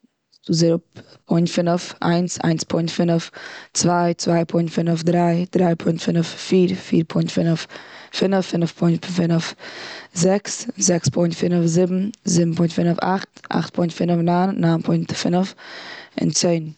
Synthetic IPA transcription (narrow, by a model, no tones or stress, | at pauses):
uːzɛɾʊppʰɔɪntfɪnəfʔa̰ɪnsa̰ɪnspʰɔɪntfɪnəft͡svaɪt͡svaɪpʰɔɪntfɪnəfdɾaɪd̥ɾaɪpʰʊɪntfɪnəffiːɾfḭːɾpʰɔɪntfɪnəffɪnəfːɪnəfpʰɔɪntfɪnəfzɛkszɛkspʰɔɪntfɪnəfzɪbm̩zɪbm̩pʰɔɪntfɪnəfa̰χtʔa̰χt̚pʰɔɪntfɪnəfnanːaːnpʰɔɪntfɪnəfɪ̰nt͡seɪn